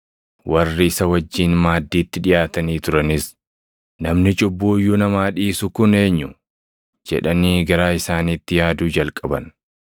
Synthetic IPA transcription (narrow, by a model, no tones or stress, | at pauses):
wʔɐrːɪɪsɐwɐd͡ʒːiːnmaːd̪ːiːt̪ːɪᶑɪjaːt̪ɐniːt̪ʊɾɐnɪs | nɐmnɪt͡ʃʼʊbːuːjːʊnɐmaːᶑiːsʊkʊne̞ːɲːʊ | d͡ʒɛ̰ᶑɐniːɡɐɾaːɪsaːniːt̪ːɪjaːd̪uːd͡ʒɐlkʼɐbɐ̰n